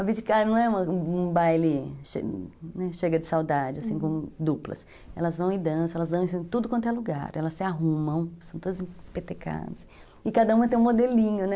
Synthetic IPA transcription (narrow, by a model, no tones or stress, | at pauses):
ɐvid͡ʒɪkaɾɐnɐ̃w̃ɛũmɐ̃ũbajlɪʃḛnɛʃeɡɐd͡ʒɪsawd̪ad͡ʒɪasĩkõmʊd̪uplɐ̰s | ɛ̰lɐzvɐ̃w̃id̪ɐ̃sɐɛlɐzd̪ɐ̃w̃ĩsĩʊt̪ud̪ʊkɐ̃t̪ʊaluɡa̰ɾɛlɐsːɪaɦũmɐ̃w̃stɐ̃w̃t̪od̪ɐzĩpet̪eka̰d̪ɐs | ɪkad̪ɐũmɐt̪ẽj̃ũmod̪elĩɲʊnɛ